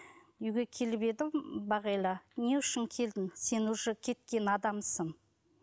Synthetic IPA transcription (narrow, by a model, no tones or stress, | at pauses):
ʏjɡʲe̞kʲʰe̞lbe̞d̪ɪmbɑʁɑjlˠɑne̞ʏʃɪŋkʲʰe̞ld̪ɪŋse̞nwoʒəkʲʰe̞t̪kʲe̞nɑd̪ɑmsəŋ